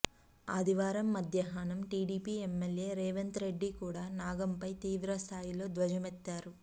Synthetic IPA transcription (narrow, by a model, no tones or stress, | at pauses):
ɐ̰d̪ʱiʋaːɾɐmːɐd̪ʱjɐɦaːnɐmʈiːɽiːpiːemːelje̞ːɾeːʋɐnt̪ɾe̞ɖːikuːɽaːnaːɡɐmpɐjt̪iːʋɾɐst̪ʰaːjilo̞ːd̪ʋɐd͡ʒɐmɛt̪ːaːɾu